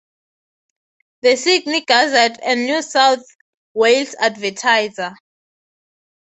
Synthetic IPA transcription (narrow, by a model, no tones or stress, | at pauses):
ðəsiɡniɡ̥azɛdɛ̃nːjusawθ | welsadvɛtʰajza